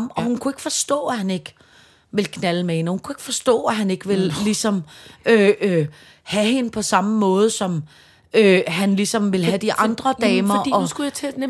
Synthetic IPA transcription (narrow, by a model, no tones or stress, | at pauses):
mɒ̽hunkʰue̝ɡ̥fɒ̽sd̥ɔ̰̽ːæhæne̝ɡ̥ | ʋe̝lkʰnæləmehe̝nhunkʰue̝ɡ̥fɒ̽sd̥ɔ̰̽ːæɦæne̝ɡ̥əʋe̝lːisɒ̽mø | hæhe̝nəpʰɒ̽sɑ̈məmɔ̽ːð̞̩ˠsɒ̽m | øɦænlisɒ̽mʋe̝lɦæd̥iʔɑ̈nd̥ʁɐd̥ɛːmɐiɒ̽sɡ̥ujat͡sʰe